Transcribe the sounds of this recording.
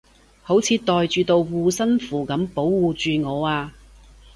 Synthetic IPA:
ho˨˥wt͡sʰiː˨˧t̪ɔː˨jt͡ʃyː˨˧t̪o˧wwuː˧sɐ˥nfuː˨˩kɐ˨˥mpo˨˥wːuː˨˧t͡ʃyː˨˧ŋɔː˨˧aː˧

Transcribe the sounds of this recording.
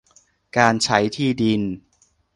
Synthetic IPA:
kaː˧nt͡ɕʰa˦˥jt̪ʰiː˥˩di˧n

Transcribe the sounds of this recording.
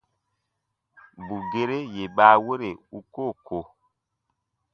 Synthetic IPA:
bu˨ɡe˦ɾe˦je˨ɓaː˨˦wo˦ɾe˨u˦ko˦˨ko˨

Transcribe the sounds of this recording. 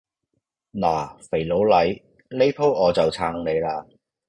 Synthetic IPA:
naː˨˩fe˨˩jlo˨˥wlɐ˨˧˥j | le˥jpʰo˥wɔː˨˧t͡sɐ˨wt͡sʰaː˧ŋle˨˧jlaː˧

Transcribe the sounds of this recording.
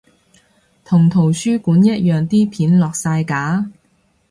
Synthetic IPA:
t̪ʰʊ˨˩ŋt̪ʰo˨˩wsyː˥kuː˨˥njɐ˥t̚jœː˨˩ŋt̪iː˥pʰiː˨˥nlɔː˨k̚saː˧jkaː˨˥

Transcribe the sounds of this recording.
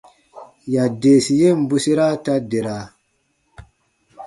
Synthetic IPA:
ja˨de˨si˨je˦˨m̩˨˦bu˨si˦ɾa˦ta˦de˨ɾa˨

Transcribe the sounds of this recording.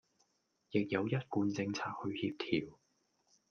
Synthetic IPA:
jɪ˨k̚jɐ˨˧wjɐ˥t̚kuː˧nt͡sɪ˧ŋt͡sʰaː˧k̚hɵ˧ɥhiː˧p̚t̪ʰiː˨˩w

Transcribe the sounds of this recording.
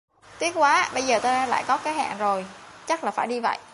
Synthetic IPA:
t̪i˦˥ət̚kwaː˨˦˧ɓə˧jzəː˨˩t̪aː˧aː˧la̰ː˧˨jkɔ˨˦kaː˨˦jɦa̰ː˧˨ŋzo˨˩jt͡ɕa˦˥k̚laː˨˩faː˧˩jɗi˧və̰˧˨jʔ

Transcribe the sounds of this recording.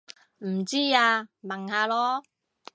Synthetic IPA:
m̩˨˩t͡siː˥aː˧mɐ˨˩ŋhaː˨˧lɔː˥

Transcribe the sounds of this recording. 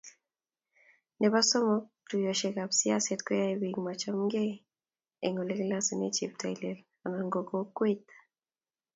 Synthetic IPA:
nɛ˨ba˦sɔ˦mɔ˦tu˨jo˨ʃe˨ka˨bsɪ˦a˦sɛ˦tkɔ˦ja˦ewiɡma˨t͡ʃɔ˦mɡe˦ | e˨ŋo˨le˦ɡla˦si˨ne˦t͡ʃḛ˨p̚ta˨ilel | a˨na˨ŋɡo˨ɡo˦kwe˦t̪ḁ

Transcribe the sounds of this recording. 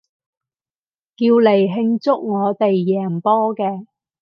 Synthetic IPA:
kiː˧wle˨˩jɦɪ˧ŋt͡sʊ˥k̚ŋɔː˨˧t̪e˨jːɛː˨˩ŋpɔː˥kɛː˧

